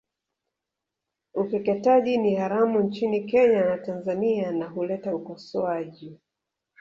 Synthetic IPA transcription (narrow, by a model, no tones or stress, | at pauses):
upɛkɛtaʄinihaɾamunt͡ʃinikɛɲanatanzanianaɦulɛtaukɔsɔaʄi